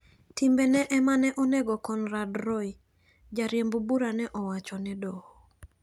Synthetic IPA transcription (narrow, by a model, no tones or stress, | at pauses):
timbenɛʔɛmanɛʔɔnɛɡɔkɔnradɾɔi | d͡ʒaɾjembobuɾanɛʔɔwat͡ʃɔnɛdɔhɔ